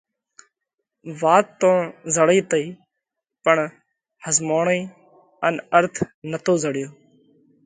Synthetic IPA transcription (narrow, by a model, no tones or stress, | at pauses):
ʋaːt̪ːõːzəɽiːt̪əiː | pəɳ | həzmoːɳiː | ənəɾt̪ʰnət̪oːzəɽɪjoː